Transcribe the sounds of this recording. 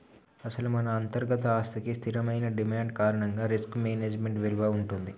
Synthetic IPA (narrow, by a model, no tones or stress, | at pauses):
ɐsɐlumɐnɐːnt̪ɐɾɡɐt̪ɐaːst̪ɐkist̪ʰiɾɐmɐjnɐɖimaːɳɖkaːɾɐɳɐŋɡaːɾiskmeːneːd͡ʒmeɳʈʋɛluʋɐːuɳʈund̪i